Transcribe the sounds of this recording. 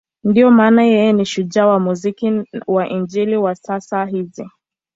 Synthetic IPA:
ndijɔmaːnajɛjɛniʃuʄawamuzikiwaʔind͡ʒiliwasasaɦizi

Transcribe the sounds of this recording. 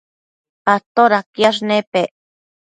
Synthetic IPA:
pat̪oɾakjaʐnepeʔ

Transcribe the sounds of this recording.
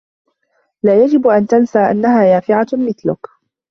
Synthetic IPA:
laːjad͡ʒɪbʔant̪ansaːʔa̰nːaɦaːjaːfɪʕamɪθlʊk

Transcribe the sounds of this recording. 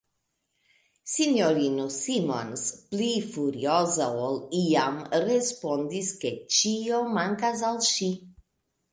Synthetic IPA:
sinoɾinusimonsplifuɾiozaoliamrespond̪isket͡ʃiomaŋkas̬alʃi

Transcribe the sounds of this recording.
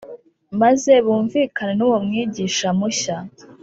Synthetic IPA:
maze̞βuːɱviːkanenuwomŋiːɟiːʃamuɕa

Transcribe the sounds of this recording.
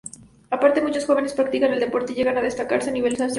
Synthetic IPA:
apaɾt̪emũt͡ʃosxo̞β̞e̞ne̞spɾak̚t̪ikaneld̪e̞po̞ɾt̪e̞iʝe̞ɣanað̞est̪aka̰ɾseaniβe̞lsas

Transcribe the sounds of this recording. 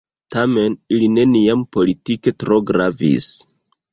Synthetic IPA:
tame̞niline̞niampo̞litike̞tɾo̞ɡɾavḭs

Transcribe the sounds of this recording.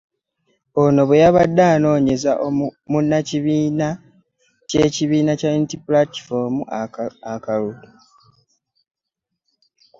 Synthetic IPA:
ono̞βejaβadːaːno̞ːɲe̞zaʔomunːaciβiːna | ce̞ːciβiːnacauntiplati̥fomuakalutu

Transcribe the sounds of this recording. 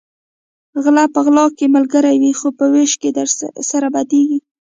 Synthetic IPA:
ɣlapəɣlɑkemalɡəɾajwixopəweʃked̪əɾsaɾabad̪eɡi

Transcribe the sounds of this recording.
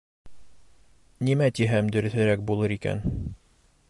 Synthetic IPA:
nimæt̪iɦæmd̪ɵ̆ɾɵ̆θɘ̆ɾæk̚bulˠɤɾikæ̰n

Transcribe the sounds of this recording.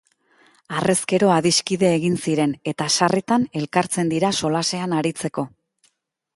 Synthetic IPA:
are̞ske̞ɾo̞aðiskiðe̞ːɣinsiɾe̞ne̞t̪aʃaret̪ane̞lkaɾt͡se̞nd̪iɾaso̞lase̞anaɾit͡se̞ko̞

